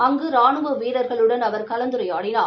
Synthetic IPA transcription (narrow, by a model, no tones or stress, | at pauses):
ɐŋɡɯɾaːɳɯʋɯʋiːɽɐɾɣɐɭɯɽɐnɐʋɐɾkɐlɐnd̪ɯɾɐjaːɽɪnaː